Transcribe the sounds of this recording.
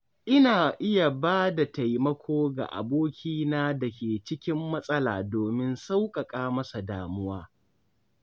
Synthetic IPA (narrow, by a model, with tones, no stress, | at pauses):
ʔɪ˦naː˨ʔɪ˦ja˨baː˦da˨ta˨jmɐ˦kʷʰoː˦ɡa̰˨ʔa̰˨boː˦kʲiː˦naː˦dɐ˨kʲeː˨t͡ʃɪ˦kʲɪ˦mːɐ˦sʼɐ˦la̰ː˨doː˨mɪ˦nsa˦wkʼɐ˨kʼaː˦mɐ˦sa˨daː˨mʊ˦waː˦